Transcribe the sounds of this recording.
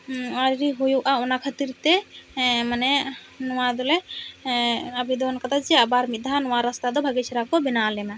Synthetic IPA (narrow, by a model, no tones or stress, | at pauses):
aɾɾiɦujuʔaɔnakʰat̪iɾt̪ɛ | manɛ | nɔwad̪ɔlɛ | abid̪ɔnkat̪ʰad͡ʒɛabaɾmit̪d̪ʱanɔwaɾast̪ad̪ɔbʱaɡit͡ʃʰiɾakɔbinalɛma